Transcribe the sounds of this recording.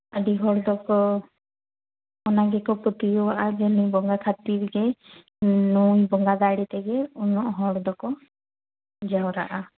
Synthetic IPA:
aɖiɦɔɽd̪ɔkɔ | ɔnaɡɛkɔpɔt̪ijɔwaʔad͡ʒɛnujbɔŋɡakʰat̪iɾɡɛ | nujbɔŋɡad̪aɽit̪ɛɡɛɔnɔʔɦɔɽd̪ɔkɔ | d͡ʒawɾa̰ʔa

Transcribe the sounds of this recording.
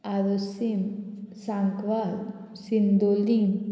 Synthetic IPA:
aɾusinsaŋkʋal | sind̪olin

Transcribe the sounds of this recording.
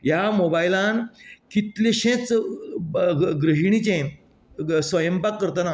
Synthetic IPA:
jamobailãnkit̪leɕẽt͡s | ɡɾiɦiɳ̃it͡ɕẽ | sʋəjəmbpakːəɾt̪əna

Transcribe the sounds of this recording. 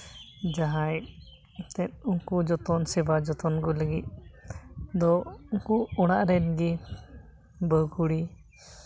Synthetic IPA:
d͡ʒaɦaj | t̪ɛt̪̚uŋkud͡ʒɔt̪ɔnsɛbad͡ʒɔt̪ɔnɡɔləɡit̪̚ˀ | d̪ɔuŋkuɔɽ̃aʔɾɛnɡi | bəɡuɽi

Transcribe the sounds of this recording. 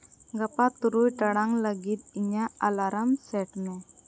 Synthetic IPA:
ɡapat̪uɾujʈaɽaŋlaɡit̪̚iɲaalaɾamsɛʈmɛ

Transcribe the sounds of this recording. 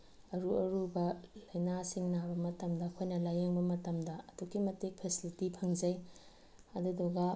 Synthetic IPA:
ɐɾuɐɾubɐlɐjnasiŋnabɐmɐtɐmdɐːkʰojnɐlajeŋbɐmɐtɐmdɐɐduɡimɐtik̚pʰesilitipʰɐŋd͡ʒɐj | ɐdudɔɡɐ

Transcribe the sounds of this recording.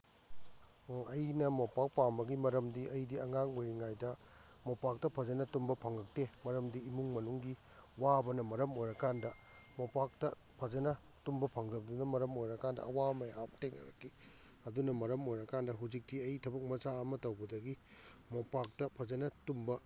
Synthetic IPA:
ɐjnɐmopak̚pambɐɡimɐɾɐmdiɐjdiɐŋaŋojɾiŋajdɐ | mopak̚tɐpʰɐzɐnɐtumbɐpʰɐŋɡɐk̚temɐɾɐmdiːmuŋmɐnuŋɡi | wabɐnɐmɐɾɐmojɾɐkandɐ | mopak̚tɐ | pʰɐd͡ʒɐnɐ | tumbɐpʰɐŋdɐbɐdunɐmɐɾɐmojɾɐkandɐ̰ɐwamɐja̰mteknɐ̰ɾɐ̰kːi | ɐdunɐmɐɾɐmojɾɐkandɐɦud͡ʒik̚tiɐjtʰɐbɐk̚mɐzaɐmɐtɐwbɐdɐɡimopak̚tɐpʰɐzɐnɐtumbɐ

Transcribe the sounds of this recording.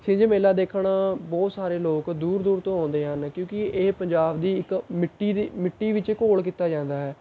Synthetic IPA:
sɪ̃nd͡ʒemeːlaːd̪eːkʰɽaːbɔːt̪saːɾeːloːkd̪uːɾd̪uːɾt̪õːɦõːnd̪eːɦənkjõːkɪeːpəɲd͡ʒaːbd̪iːɪkmɪʈːiːd̪iːmɪʈːiːʋɪt͡ʃkoːlkiːt̪ːaːd͡ʒãːnd̪aːɦɛː

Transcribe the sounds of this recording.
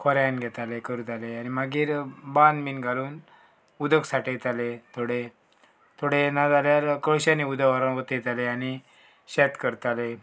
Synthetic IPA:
kʰɔɾjanɡʱɛt̪alekəɾut̪aleanimaɡiːɾband̪miːnɡʱaluːn | ud̪əksaʈit̪alet̪ʰoɽe | t̪ʰoɽenad͡z̪aljaɾkəɭɕãniud̪aʋəɾaɦot̪et̪aleañi | ɕɛt̪kəɾt̪ale

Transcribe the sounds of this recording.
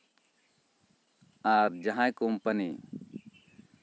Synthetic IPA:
aɾd͡ʒaɦãjkompɐnḭ

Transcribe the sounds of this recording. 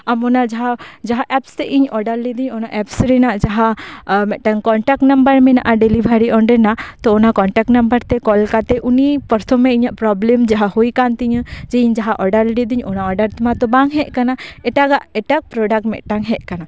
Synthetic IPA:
amɔnad͡ʒaɦad͡ʒaɦaʔɛpst̪ɛʔiɲɔɖaɾlid̪iɲɔnaʔɛpsɾɛnaʔd͡ʒaɦamɛʔʈaŋkɔɳʈak̚ʈnɐmbəɾmɛna̰ʔaɖɛlibʱaɾiɔɳɖəɾnat̪ɔːnakɔɳʈak̚ʈnɐmbəɾt̪ɛkɔlkat̪ɛʔunipəɾt̪ʰɔmẽiɲaʔpɾɔblemd͡ʒaɦahojkant̪iɲd͡ʒeiɲd͡ʒaɦaʔɔɖaɾɖid̪iɲɔnaɔɖəɾt̪mat̪ɔbaŋɦɛʔkanaɛʈaɡaʔɛʈak̚pɾɔɖak̚ʈmɛ̰ʔʈaŋɦɛʔkana

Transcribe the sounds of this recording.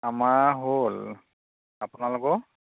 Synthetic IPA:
amaɦol | apʊnalʊkɔ

